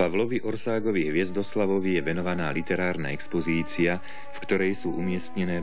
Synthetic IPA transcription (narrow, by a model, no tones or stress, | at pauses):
paʋlɔʋiʔɔɾsaːɡɔʋiɦʋɪɛzd̪ɔslaʋɔʋijɛʋɛnɔʋanaːlit̪ɛɾaːɾna̰ɛkspɔziːt͡sia | fkt̪ɔɾɛjsuːʔumɪɛst̪ɲɛnɛː